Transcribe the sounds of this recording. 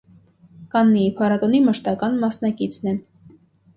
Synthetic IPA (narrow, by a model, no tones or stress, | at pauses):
kɑnːiipʰɑɾɑt̪ɔniməʃt̪ɑkɑnmɑsnɑkit͡sʰnɛ